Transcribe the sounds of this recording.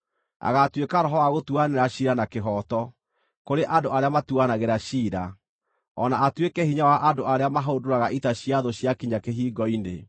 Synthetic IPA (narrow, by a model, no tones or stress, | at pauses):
a̰ɣatwekaɾɔɦɔwaɣotuaneɾaɕiːɾanakeɦɔtɔ | koɾeʔandoaɾeamatuanaɣeɾaɕiːɾa | ɔnaatwekɛhiɲawaʔandoaɾeamaɦodoɾaɣaʔitaɕiaðoɕjakiɲakeɦiːɡɔine